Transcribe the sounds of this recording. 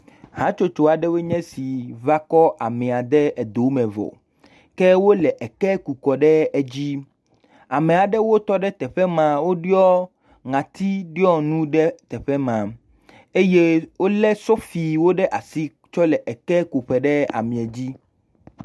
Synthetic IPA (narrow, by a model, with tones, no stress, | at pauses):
ɦã˨˦t͡ʃo˦t͡ʃo˨a˨ɖɛ˦we˦ɲɛ̃˦si˨va˦kɔ˦ʔa˨mɛ̃˨a˨d̪ɛ˦ɛ˨d̪o˨˦mɛ̃˨vɔ̰˨ | kɛ˦wo˦lɛ˨ʔɛ˨kɛ˦ku˨kɔ˨ɖɛ˦ɛ˦d͡ʑi˦ | a˨mẽ˨a˨ɖɛ˦wo˦t̪ɔ˦ɖɛ˦t̪ɛ˨ɸɛ˦mã˨wo˦ɖi˦ɔ˦ | ŋã˨t̪i˦ɖi˦ɔ˦nũ˦ɖɛ˦t̪ɛ˨ɸɛ˦mã˨ | e˦je˦wo˦lɛ˦sɔ˦fi˨wo˦ɖɛ˦ʔa˨si˦ | t͡ʃɔ˦lɛ˨ʔɛ˨kɛ˦ku˨ɸɛ˨ɖɛ˦a̰˨mĩ˨ɛ˨d͡ʑi˦